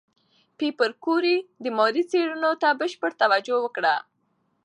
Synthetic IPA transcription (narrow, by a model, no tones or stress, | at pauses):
pipəɾkoɾid̪əmɔɾit͡seɽunot̪abəʃpəɽt̪awad͡ʒowəkɽa